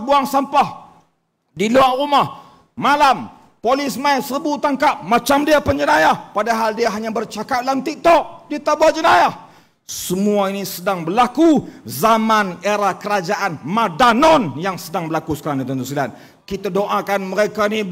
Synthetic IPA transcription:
buaŋsampah | diluaʔrumah | malam | polɪsmaisəəbut̪aŋkap̚mat͡ʃamdiapəɲd͡ʒənajahpadaɦaldiaɦaɲabərt͡ʃakap̚lamt̪ik̚t̪ɔʔ̚dit̪abuad͡ʒənajah | səmuainisədaŋbərlakuzamaneɾakəɾad͡ʒaʔanmadanɔnjaŋsədaŋbəlakusə̥kaɾaŋdit̪ənt̪usilan̚ | kit̪adoʔakanməɾekaini

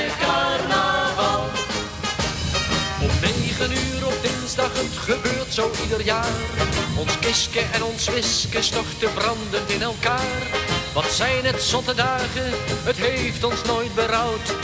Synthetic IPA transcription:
ana | ɔpnejχənyːɾɔp̚dɪnzdɑχətχəbøːɹtsowʔidərjaːrɔnskɪskəʔɛnɔnsʋɪskəstɔχtəbrɑndəntɪnɛlˠkaːrʋɑtsɛjnɦətsɔtədaːχənɦətɦejftɔnsnoːjt̚bəɾʌwt

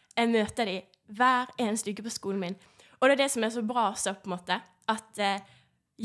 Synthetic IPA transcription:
ɛɡmøːt̪əd̪ɪ | ʋæːɾeːnst̪ʉkːəpʰɔskuːln̩mɪn | ɔd̪ɛæd̪ɛsɔmɛs̬ɔbɾɑːsɔpʰɔɛnmoːt̪ə | ʔɑt̪ | j

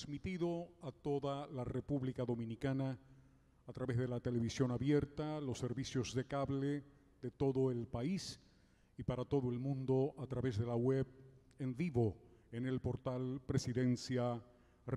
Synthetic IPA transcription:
zmit̪iðo̞at̪o̞ðalarepuβlikaðo̞mĩnikanaː | t̪ɾaβe̞zðe̞lat̪e̞le̞βisjo̞naβje̞ɾt̪alo̞sːe̞ɾβisjo̞zðe̞kaβle | ðe̞t̪o̞ðo̞elpais | ipaɾat̪o̞ðoe̞lmũnd̪o̞at̪ɾaβe̞zðe̞laweβ | eɱviβo̞ene̞lpo̞ɾt̪alpɾesiðe̞nsja | r

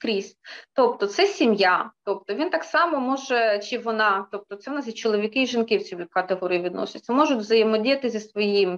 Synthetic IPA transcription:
kɾʲisʲtʲt̪ɔp̚t̪ɔt̪sɛsʲimjat̪ɔp̚t̪ɔʋʲint̪ɑksɑmɔmɔʒɛt͡ʃiʋɔnɑt̪ɔp̚t̪ɔt̪sɛʋɔnɑzʲɐt͡ʃɔlˠɔʋʲikɪiʒɪnkɪwt͡sʲilʲikɐt̪eɦɔɾʲɪjiʋʲid̪nɔ̰sʲɐtʲːɐmɔʒʊtʲʋzɐjemɔdʲijɐt̪ɪzʲɐsʋɔjim

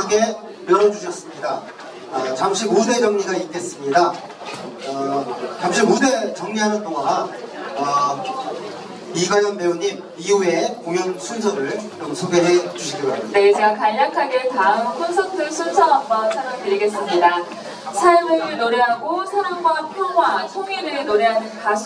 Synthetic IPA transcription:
aɡe̞ | ɯɾʌd͡ʑuɕʰʌs͈ɯmɲida | ʌt͡ɕamɕʰiode̞d͡ʑʌŋɲiɡaik͈e̞s͈ɯmɲida | ʌt͡ɕamɕʰimodet͡ɕʌŋɲiɦanɯntʰoŋanʌ | iɡaɲjʌnmeoɲim | iue̞kojʌnsʰunsʰʌɾɯɭkɯɾomsʰoɡe̞ɦe̞t͡ɕuɕʰiɡiʌasne̞t͡ɕeɡakaʎːakʰaɡe̞kaŋpʰʌnsʰʌŋt͈ɯsʰunsʰʌambʌsʰaɾʌŋtɯɾiɡe̞s͈ɯmɲida | sʰajomɯnoɾeɦaɡosʰaɾʌmɡwapʰjowat͡ɕʰoŋiɾɯɾinoɾeɦanɯnkasʰ

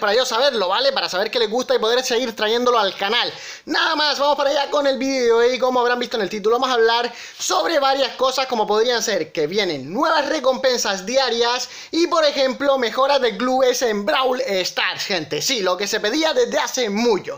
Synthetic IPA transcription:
paɾaʝo̞saβe̞ɾlo̞βale̞paɾasaβe̞ɾke̞le̞ɣust̪aipo̞ðe̞ɾseɣiɾt̪ɾaʝe̞nd̪oloalkanal | naðamasβamo̞spaɾaʝako̞ne̞lβiðeeoeko̞moaβɾambist̪onelt̪it̪̬uloamosaβlaɾ | so̞βɾe̞βaɾjasko̞sasko̞mo̞po̞ðɾianse̞ɾke̞βje̞nẽ̞nːwe̞βasre̞ko̞mpe̞nsazd̪jaɾjas | ipo̞ɾe̞xe̞mplo̞me̞xo̞ɾazðe̞kluβesembɾawlest̪aɾsxẽ̞nt̪esilo̞ke̞se̞pe̞ðiaðe̞zd̪e̞ase̞mut͡ʃo̰

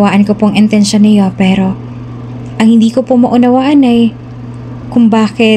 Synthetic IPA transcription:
waːʔɐnkopoʔɐŋʔɪnt̪ɛnʃonɐjo̞pɛːɾo̞ | ʔɐŋhɪnd̪iːkopomɐʔʊnɐwaːʔɐnɐj | kʊŋbaːkɪ

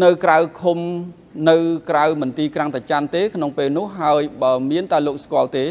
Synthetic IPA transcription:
nɨwkrawkʰum | nɨwkrawmɨnt̪iːkraŋt̪at͡ɕant̪eːkʰnoŋpeːlnʊ̆əhɦːaəjɓaəmiənt̪aɛloːk̚skŏəlt̪eː

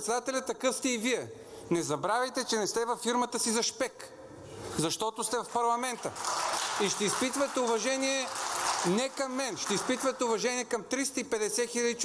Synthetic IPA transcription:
t̪sɛd̪at̪ɛlʲɐt̪ːɐkɤfst̪ɛiviɛ | nɛzɐbɾavɛjt̪ɛt͡ʃɛnɛst̪ɛvɐfːiɾmət̪əsizɐʃpɛk | zɐʃt̪ɔt̪ʊst̪ɛvɐfpɐɾlˠɐmɛnt̪əiʃt̪ɛispit̪vɐt̪ɛʊvɐʒɛniɛ | nɛkɐmːɛnʃt̪ɛispit̪vət̪ɛʊvɐʒɛniɛkɐmt̪ɾist̪əipɛd̪ɛsɛxilʲɐd̪it͡ʃ

